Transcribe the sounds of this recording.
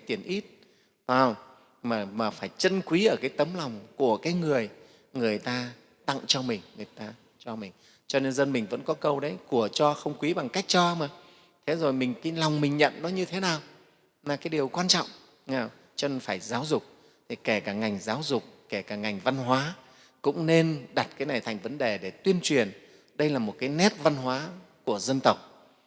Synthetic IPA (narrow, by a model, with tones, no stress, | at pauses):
jt̪i˨˧˩ənʔi˦˥t̚ | aː˨˧˩w | maː˨˩maː˨˩faː˧˩jt͡ɕə˧nkwi˨˦ʔəː˧˩kaː˨˦jt̪ə˨˦mla˨˩wŋ͡mku˧˩əkaː˨˦jŋɨ˨˩əj | ŋɨ˨˩əjt̪aː˧ | t̪a̰˧˨ŋt͡ɕɔ˧mï˨˩ŋ̟ŋɨ˨˩əjt̪aː˧ | t͡ɕɔ˧mï˨˩ŋ̟ | t͡ɕɔ˧ne˧nzə˧nmi˨˩ŋ̟və̰˧˥nkɔ˨˦kə˧wɗə˨˦jku˧˩ət͡ɕɔ˧xə˧wŋ͡mkwi˨˦ɓa˨˩ŋka˦˥jk̟̚t͡ɕɔ˧maː˨˩ | t̪ʰe˨˦zo˨˩jmï˨˩ŋ̟ka˨˦jla˨˩wŋ͡mmï˨˩ŋ̟ɲə̰˧˨nnɔ˨˦ɲɨ˧t̪ʰe˨˦naː˨˩w | naː˨˩kaː˨˦jɗi˨˩əwkwaː˧nt͡ɕɔ̰˧˨wŋ͡m | ŋaː˨˩w | t͡ɕɔ˧ne˧nfaː˧˩jzaː˨˦wzʊ˨˩k͡p̚ | t̪ʰi˨˩ke˧˩kaː˧˩ŋa˨˩jŋ̟zaː˨˦wzʊ˨˩k͡p̚ke˧˩kaː˧˩ŋa˨˩jŋ̟va˧nɦwaː˨˦ | kʊ̰˧˥ŋ͡mne˧nɗa˨˩t̚kaː˨˦jna˨˩jt̪ʰa˨˩jŋ̟və˨˦nɗe˨˩ɗe˧˩t̪wi˧ənt͡ɕwi˨˩ən | ɗə˧jlaː˨˩mo˨˩t̚kaː˨˦jnɛ˦˥t̚va˧nɦwaː˨˦ku˧˩əzə˧nt̪ə˨˩wk͡p̚